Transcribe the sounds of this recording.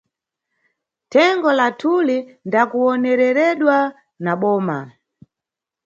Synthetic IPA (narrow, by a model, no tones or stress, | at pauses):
tʰɛŋɡɔlatʰulindakuɔnɛɾɛɾɛɗwa | naɓɔːma̰